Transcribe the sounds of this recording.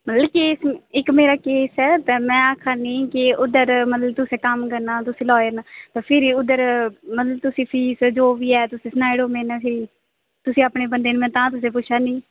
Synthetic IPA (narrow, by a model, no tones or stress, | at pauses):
mət̪ləbkeːsɪkmeːɾaːkeːsɛːt̪aːmɛ̃ːaːkʰaːnĩːkɪʊd̪əɾmət̪ləb̚t̪ʊseːkəmkəɾnãːt̪̬ʊsĩːlɔːəɾnaːt̪aːpʰɪɾiːʊd̪əɾmət̪ləb̚t̪ʊsĩːpʰiːsd͡ʒoːʋiːɛːt̪ʊsĩːsnaːiɽoːmẽːnãːpʰɪɾiː | t̪ʊsĩːapneːbənd̪eːnmɛ̃ːt̪ãːt̪ʊsẽːp̬ʊt͡ʃʰaːnĩː